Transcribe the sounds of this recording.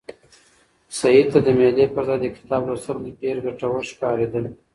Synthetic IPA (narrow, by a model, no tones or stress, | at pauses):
said̪̚t̪ad̪əmelepəɾzɑjd̪əkɪ̥t̪ɑbɾasamd̪əpeɾɡaʈawəɾʃkɑɾed̪əl